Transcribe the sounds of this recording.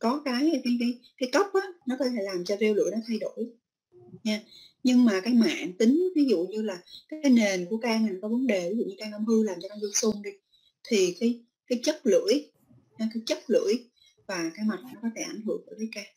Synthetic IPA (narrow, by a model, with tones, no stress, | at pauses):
kɔ˨˦kaː˨˦jkaː˨˦jkaː˨˦jkaː˨˦jkə˦˥wp̚ʔaː˨˦nɔ˨˦kɔ˨˦t̪ʰe˧˩laː˨˩mt͡ɕɔ˧ze˧wlɨ̰˧˨jnɔ˨˦t̪ʰa˧jɗo˧˩˨j | ɲaː˧ | ɲɨ˧ŋmaː˨˩kaː˨˦jma̰ː˧˨nt̪ï˨˦ŋ̟vi˨˦zṵ˧˨ɲɨ˧laː˨˩kaː˨aː˨˦jne˨˩nku˧˩əkaː˧mi˨˩ŋkɔ˨˦və˨˦nɗe˨˩˨ṵ˧˩ɲɨ˧kaː˧na˧˦mhɨ˧laː˨˩mt͡ɕɔ˧nɔ˨˦zɨ˧ŋsu˧ŋɗi˧ | t̪ʰi˨˩kaː˨˦j | kaː˨˦jt͡ɕə˦˥t̚lɨ̰˧˥əj | hkaː˨˦jt͡ɕə˦˥t̚lɨ̰˧˥əj | vaː˨˩kaː˨˦jma˨˩t̚nɔ˨˦kɔ˨˦t̪ʰe˧˩ʔa˧˩jŋ̟hɨ̰˧˩˨əŋʔəː˧˩vaː˨˦jkaː˧